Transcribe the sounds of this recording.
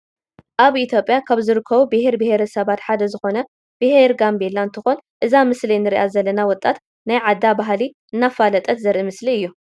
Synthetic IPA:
ʔaβʔit̪ʰjo̞pʼːjakʰaβzɨɾɨkʰːɐβubɨheɾbɨheɾɐsɐβat̪ħad̪ɐzɨxo̞nɐ | b̥ɨheɾɡambelːaɨnt̪ʰɨxonʔɨzamɨslinɨɾiʔazɐlːɐnawɔt̪ʼːat̪ | najʕad̪ːabaɦliʔɨnːafːalɐt̪ʼɐt̪zɐɾʔimɨsliɨjːu

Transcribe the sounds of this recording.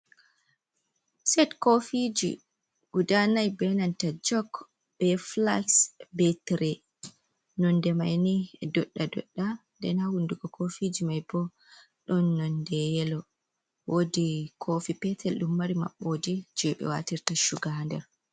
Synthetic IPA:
sɛtkofid͡ʒḭ | ɡ̥udanajbɛnantad͡ʒɔk | b̥ɛfla̰ksbɛtɾɛ | nɔndɛmajnidɔɗːadɔ̰ɗːandɛ̰nhawunduɡɔkʰofid͡ʒimajbɔ | ɗɔnːɔndɛjɛlɔ | wodikʰoːfipɛtʰɛlɗumːaɾima̰ɓːoːdid͡ʒɛɓɛ̰wa̰tiɾtaʃuɡandɛ̰ɾ

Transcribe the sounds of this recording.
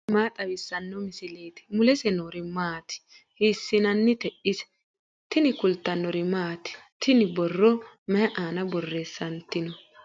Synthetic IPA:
maːt̪ʼɐwɪsːɐnːɔmɪsɪleːt̪ɪ̥mʊlɛsɛnoːɾɪmaːt̪ɪ̥ | hiːsːɪnɐnːɪt̪ɛʔɪsɛ̥ | t̪ɪnɪkʊlt̪ːɐnːɔɾɪmaːt̪ɪ̥t̪ɪnɪbɔrːɔmɛʔaːnɐbɔrːe̞ːsːɐnt̪ɪnɔ

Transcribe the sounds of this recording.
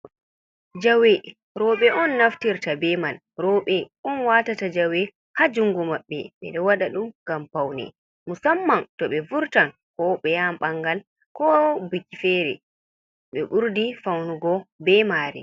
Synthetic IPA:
d͡ʒawɛ | ɾɔɓɛʔɔnːaftiɾtabɛman | ɾɔɓɛʔɔnwaːtatad͡ʒawɛ | had͡ʒuŋɡɔmaɓːɛ̰ɓɛ̰ɗɔwaɗaɗumɡampawnɛ̰ | musamːantɔɓɛvuɾtan | kɔɓɛjamɓaŋɡal | kɔbikːifɛɾɛ̰ | ɓɛɓuɾdifawnuɡɔbɛmaːɾɛ̰

